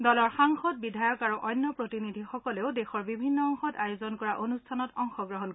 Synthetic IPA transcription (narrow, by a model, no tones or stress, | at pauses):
dɔlɔɹxaŋxɔt̚bidʱajɔkaɹuʔɔjnːɔpɹotinidʱixɔkɔleʊdexɔɹbibʱinːɔːŋxɔtajozɔnkɔɹaʔonustʰanɔtɔŋxɔɡɹɔɦɔn